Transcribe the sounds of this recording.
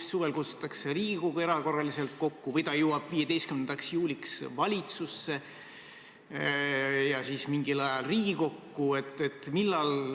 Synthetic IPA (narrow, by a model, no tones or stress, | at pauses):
sːuvelkut̪su̥t̪ːˑɑkse̞ɾiːɡ̥ikoɡue̞ɾɑko̞rːɑlise̞lt̪̚ko̞kːuvɤjt̪ɑjuwɑb̥vije̞d̪e̞jst̪kymnend̪ɑksjuːliksvɑlʲit̪susːe̞ | jɑsiːsmiŋɡilɑjɑlriːɡ̥iko̞kːue̞t̪ːˑet̪ːˑmilːɑl